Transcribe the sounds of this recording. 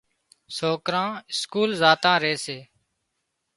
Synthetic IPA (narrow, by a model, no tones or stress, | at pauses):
soːkɾãːɪskuːlzaːt̪ãːɾeːseː